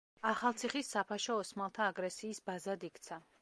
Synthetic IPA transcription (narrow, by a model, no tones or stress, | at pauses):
aχalˠt̪sʰiχisːapʰaʃɔɔsmalˠt̪ʰaːɡɾɛsiːsbazad̪ikʰt̪sʰa